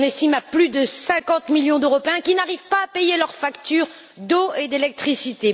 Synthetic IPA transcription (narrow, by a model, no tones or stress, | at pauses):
nest̪imaplyd̪əsɛ̃kɑ̃t̪miljɔ̃d̪øʁɔpeɛ̃kʲinaʁivpaːpejelœʁfakt̪yʁ | d̪oed̪elɛk̚t̪χisit̪e